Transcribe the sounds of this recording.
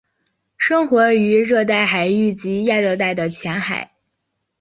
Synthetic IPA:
ʂɤ˥ŋxwɔ˧˥y˧˥ɻɤ˥˧t̪̬a˥˩ɪxa˨˩ɪy˥˩t͡ɕi˧˥ja˥˧ɻɤ˥˧t̪̬a˥˩ɪd̪ə˩t͡ɕʰjɛ˧˥nxa̰˨˩˦ɪ

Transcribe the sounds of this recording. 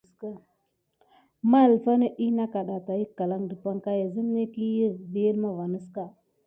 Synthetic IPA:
ka˦ | ma˦˨lfa˦ne˦ʔi˦na˦ka˨ɗa˨ta˨ji˦kːa˨la˦ŋdə˨pʷa˦ŋka˦ja˨zə˦mne˦ki˦ji˦bi˦ə˦lma˦va˨nə˦ska˦

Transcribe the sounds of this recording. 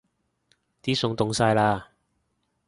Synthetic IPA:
t̪iː˨˥sʊ˨˧ŋt̪ʊ˨˧ŋsaː˧jlaː˧

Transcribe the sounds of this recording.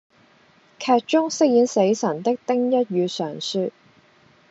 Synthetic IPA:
kʰɛː˧t̚t͡ʃʊ˥ŋsɪ˥k̚jiː˨˥nse˨˥jsɐ˨˩nt̪ɪ˥k̚t̪ɪ˥ŋjɐ˥t̚ɥyː˨˧sœː˨˩ŋsyː˧

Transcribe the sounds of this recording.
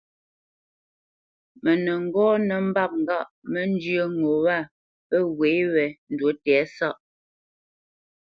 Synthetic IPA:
mə˨nə˨ŋ̩˦ɡɔː˦nə˨m̩˦ba˦˨p̚ŋ̩˨ɡa˦˨ʔmə˦n̩˦d͡ʒjə˦ŋo˨wa˦˨ | pə˦we˨˦wɛ˨n̩˨dwo˨˦tɛ˨˦sa˦˨ʔ

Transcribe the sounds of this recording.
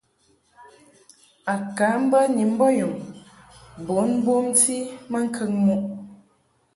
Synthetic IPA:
a˨ka˨˦m̩˦bə˦ɲi˨m̩˦bɔ˦ju˨m | bo˨˦n˦bwo˦mti˦mə˦ŋ̩˦kʰə˦˨ŋmu˦ʔ

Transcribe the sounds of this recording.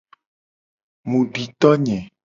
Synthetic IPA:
mũ˨ɖi˨t̪ɔ˦ɲɛ̃˨

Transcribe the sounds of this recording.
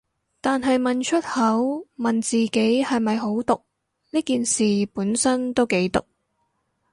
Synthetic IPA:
t̪aː˨nɦɐ˨jmɐ˨nt͡ʃʰɵ˥t̚hɐ˨˥wmɐ˨˩nt͡siː˨ke˨˥jhɐ˨jmɐ˨jɦo˨˥wt̪ʊ˨k̚ | niː˥kiː˨nsiː˨˩puː˨˥nsɐ˥nt̪o˥wke˨˥jt̪ʊ̰˨k̚

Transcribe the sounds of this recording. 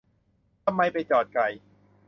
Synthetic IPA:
t̪ʰa˧mːa˧jpa˧jt͡ɕɔː˨˩t̪̚ka˨˩j

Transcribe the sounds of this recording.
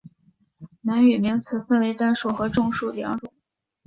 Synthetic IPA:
na˧˥ny˨˩mi˧˥ŋt͡sʰɹ̩˨˥fə˥˧nwe˧˥ɪt̪a˥nʂu˥˩xɤ˧˥ʈ͡ʂʊ˥˧ŋʂu˥˩ljɑ̰˧˥ŋʈ͡ʂʊ˨˩˦ŋ

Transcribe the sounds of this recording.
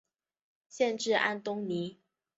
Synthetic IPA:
ɕjɛ˥˧nʈ͡ʂɻ̩˥˧a̰˥˩nt̪ʊ˥ŋni˨˦

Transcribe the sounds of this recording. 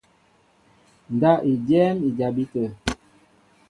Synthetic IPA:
n˨da˦ʔi˨d͡ʒɛ˦mi˨d͡ʒa˨bi˦tə˨

